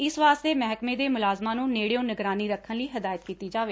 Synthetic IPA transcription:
ɪsʋaːst̪eːmɛɦkmeːd̪eːmʊlaːzmãːnũːneːɽejõːnəɡɾaːniːɾəkʰːənliːɦɪd̪aːjət̪kiːt̪iːd͡ʒaːʋeː

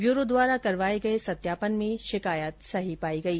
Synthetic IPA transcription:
ʋjuːɾod̪ʋaːɾakɐɾʋaːeɡɐesɐt̪jaːpənmẽʃɪkaːjət̪sɐɦipaːiɡɐiː

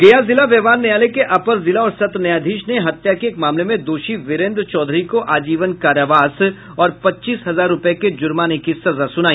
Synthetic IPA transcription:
ɡeːjazɪlaʋɛːʋaːnːejaːlekeʔɐpəɾzɪlaɔːɾsɐt̪nɐjaːd̪ʱiːʃneɦɐt̪jakeːkmaːmlemẽd̪oːʃiʋɪɾẽːnd̪ɾt͡ʃɔːd̪ʱɾikoʔaːd͡ʒiːʋənkaːɾjəʋaːs | ɔːɾpɐtːt͡ʃiːsɦɐzaːɾːʊpeked͡ʒʊɾmaːnekisɐzasʊnaːiː

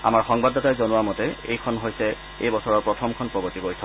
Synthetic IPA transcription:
a̰maɹxɔŋbadɔtajzonʊwamɔtɛḛjkʰɔnɦojsɛ | ejbɔsɔɹɔɹpɹɔtʰɔmkʰɔnpɹɔbɔɹtiɡojtʰɔ

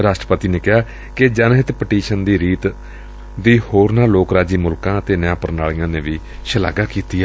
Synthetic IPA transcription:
ɾaːsʈɾəpət̪iːneːkɪaː | kɪd͡ʒaːnɦɪt̪pəʈiːʃənd̪iːɾiːt̪ | d̪iːhoːɾnaːloːkɾaːd͡ʒiːmʊlkãːət̪eːnɪjãːpəɾnaːɭijãːnẽːʋiː | ʃəla̰ːɡaːkiːt̪iːɛː

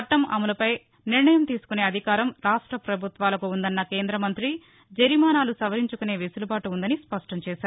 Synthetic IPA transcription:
ɐʈːɐmʔɐ̰mulɐpɐj | niɾɳɐjɐmt̪iːsu̥kune̞ːɐd̪ʱikaːɾɐmɾaːʂʈɾɐpɾɐbʱut̪ʋaːlɐkuːnd̪ɐnːɐke̞ːnd̪ɾɐmɐnt̪ɾi | d͡ʒeɾimaːnaːlusɐʋɐɾiɲt͡ʃukune̞ːʋisulubaːʈuːnd̪ɐnispɐʂʈɐmt͡ʃɛːsaːɾu

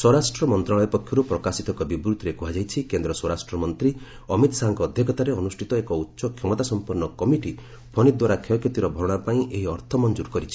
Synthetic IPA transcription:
swɔɾasʈɾɔmɔnt̪ɾaɭɔjɔpɔkʰːjɔɾupɾɔkasit̪ɔkɔbibɾud̪ʱɾekuɦad͡ʒajt͡ʃʰikend̪ɾɔswɔɾasʈɾɔmɔnt̪ɾi | ɔmit̪ɔsaɦaŋkɔːd̪ʱjɔkɔt̪aɾeɔnusʈʰit̪ɔekɔutːʃɔkʰjɔmɔt̪asɔmpuɾnɔkɔmiʈi | bʰʱɔnid̪waɾakʰjɔkjɔt̪iɾɔbʱɔɾɔɽ̃apaĩʔeɦiɔɾt̪ʰɔmɔnd͡ʒuɾkɔɾit͡ʃʰi̥

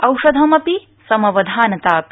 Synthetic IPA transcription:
ɐwʃɐd̪ʱɐmɐpi | sɐmɐʋɐd̪ʱaːnɐt̪aːpi

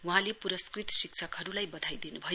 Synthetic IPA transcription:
wuɦãlepuɾʌskrit̪sik̚sʰʌkɦʌɾulajbʌd̪ʱajd̪inubʱʌj

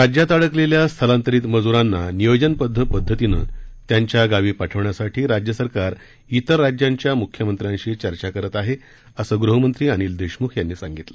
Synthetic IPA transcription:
ɾad͡ʑjat̪aɭəkleljast̪ʰəlãnt̪əɾiːt̪məd͡zuɾanːanijod͡ʑənpəd̪ʱːəpəd̪ʱːət̪inə̰ːt̪jaɲt͡ɕjaɡaʋiːpaʈʰəʋɳjasaʈʰiːɾad͡ʑjəsəɾkaɾ | it̪əɾːad͡ʑjaɲt͡ɕjamukʰjəmənt̪ɾjãɲt͡ɕiːt͡ɕəɾt͡ɕakəɾət̪aɦe | əsəːɡɾuɦəmənt̪ɾiːañiːld̪eɕmuːkʰjanːiːsãŋɡit̪lə

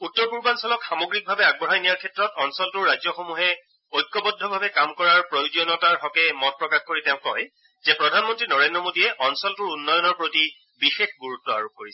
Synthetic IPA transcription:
utːɔɹpuɹbansɔlɔkxamoɡɹik̚bʱabɛaɡ̚bɔɹɦajnijaɹkʰɛtɹɔtɔnsɔltʊɹːajd͡zjɔxomuɦɛ | ojk̚kːɔbɔdʱɔbʱabɛkamkɔɹaɹpɹojuzijɔnɔtaɹɦɔkɛmɔt̚pɹɔkaxkoɹitɛʊ̃ŋkɔj | zɛpɹɔdʱanmɔntɹinɔɹendɹɔmodijɛʔɔnsɔltʊɹunːɔjɔnɔɹpɹoti | bixexɡuɹutːɔa̰ɹup̚koɹisɛ

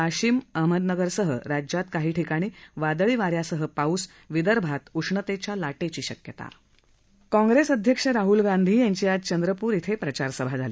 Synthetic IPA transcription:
aɕiːməɦməd̪nəɡəɾsəɦə̰ɾad͡ʑjat̪kaɦiːʈʰikaɽ̃iːʋad̪ɭiːʋaɾjasəɦəpaus | ʋid̪əɾbʱat̪uʂɳət̪et͡ɕjalaʈet͡ɕiːɕəkjət̪a̰ | kɔ̃ŋɡɾesəd̪ʱjəkʂəɾaɦulɡand̪ʱiːjãɲt͡ɕiːad͡zt͡ɕənd̪ɾəpuːɾit̪ʰepɾət͡ɕaɾsəbʱad͡zʱaliː

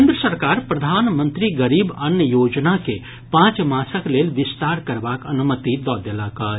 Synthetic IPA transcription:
nd̪ɾəsəɾkaːɾpɾəd̪ʱaːnmə̃nt̪ɾiɡəɾiːbənjəjoːd͡ʒnake | pãːt͡ʃmaːsəkleːlʋɪst̪aːɾkəɾbakənumət̪id̪ɔːd̪elakə

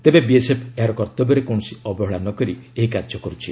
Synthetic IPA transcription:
t̪ebebiesepʰeɦaɾɔkɔɾt̪ɔbɔɾekɔɳ̃ɔsiɔbɔɦɔɭanɔkɔɾieɦikaɾd͡ʒɔkɔɾut͡ʃʰi

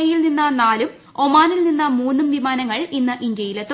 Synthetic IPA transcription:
ɐjilninːɐnaːlum | o̞maːnilninːɐmuːnːumʋimaːnɐŋːɐɭinːɐʔind̪jɐjilt̪

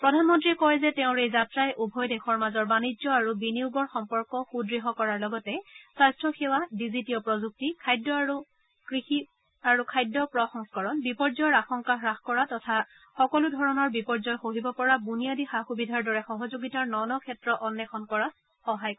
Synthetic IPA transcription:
pɹɔdʱanmɔntɹiɛkɔjzɛteʊ̃ɹejzatɹajʔubʱɔjdɛxʰɔɹmazɔɹbanid͡ʒɔaɹubiniuɡɔɹxɔmpɔɹkɔxudɹiɦɔkɔɹaɹlɔɡɔtɛsastʰɹɔxewadizitiɔpɹɔzuk̚tikʰajdːɔaɹu | kɹixi | aɹukʰajdːɔpɹɔxɔŋskɔɹɔnbipɔɹzɔjɔɹaxɔŋkaxɹaxkɔɹatɔtʰa | xɔkɔludʱɔɹɔnɔɹbipɔɹzɔjxoɦibɔpɔɹabuniadixaxubidʱaɹdɔɹɛxɔɦɔzoɡitaɹnɔnɔkʰɛtɹɔʔɔnːjɛxʰɔnkɔɹa | xɔɦajk

